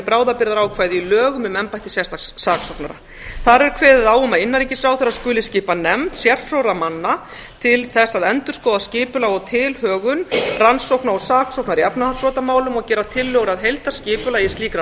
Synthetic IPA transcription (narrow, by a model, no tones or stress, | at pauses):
pɾaːwðapɪɾðaɾawkʰvaːjðɪilœːɣʏmʏmɛmpajt̪ɪ̥sjɛst̪ʰasːaːksowknaɾa̰ | θaɾɛɾkʰvɛːðɪðawʏmaɪnːaɾiːcɪsɾaːwθɛɾaðskʏːlɪscɪːpanɛmt̪sjɛr̥fɾowɾamanːa | t̪ʰɪlθɛsːaðɛnt̪ʏ̥skɔːðascɪːpʏlaɣɔt̪ʰɪlhœːɣʏnransowknaɾɔsaːksowknaɾiapnahanspɾɔːt̪amaːwlʏmɔɣcɛːɾat̪ʰɪlːœɣɾaðɦejlt̪ḁscɪːpʏlajɪst̪liːkɾa